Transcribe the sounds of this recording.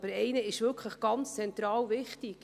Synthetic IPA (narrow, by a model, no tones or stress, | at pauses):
b̥əɾɛɪnəɪʃvʏɾkʰχləχɡ̥ɑnt͡st͡sɛnt̪ɾɑːwvɪχtik